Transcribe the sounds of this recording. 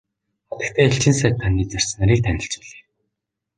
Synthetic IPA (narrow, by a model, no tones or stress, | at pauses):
χɔt̪ə̆kt̪ʰæːeɬt͡ɕɪ̆ns̬æːt̪ʰːaniːt͡sar̥ʲsə̆naɾiːk̚t̪ʰænʲɪ̆ɬt͡ɕpiɮe̥ː